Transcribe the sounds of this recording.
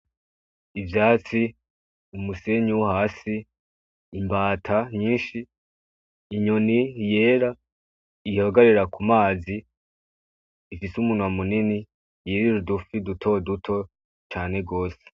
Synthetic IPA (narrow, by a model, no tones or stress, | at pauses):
ivjaːt͡si | umuse̞ɲuwhaːsi | imbaːtʰaɲiːnʃiː | ɲo̞nije̞ːɾa | ihoɡaɾiɾakumaːzi | fisumuːnuwamunini | jiɾiɾudufidutʰo̞dutʰo̞ | t͡ʃaːne̞ɡo̞ːse̥